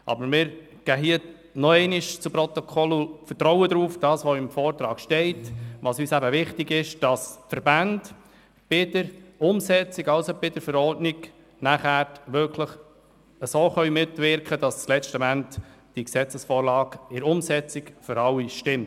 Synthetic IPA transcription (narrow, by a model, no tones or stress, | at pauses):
ʔɑ̰bəɾmɪːɾ | ɡ̥æːɦiə | nɔɛɪniʃt͡supɾɔt̪ɔkʰɔlufətɾɔwəd̪ɾuːfd̥ɑːsʋɔɪmfɔːrtɾɑːkʃtɛɪtʋɑsyːsæbəʋɪχtɪɡɪʃd̥ɑsfəɾbænd | b̥ɪdəɾʊmsɛt͡siɡɑʊsob̥ɪdəɾfəɾɔɾdnɪɡ | næχæːɾtʋʏkʰləχ | əsoːχœʏmɪtʋɪɾkχədɑst͡slɛt͡ʃtəmæntd̥iksɛt͡səsfɔːɾlɑːɡɪɾʊmsɛt͡sikfʏɾɑlːiʃtɪmt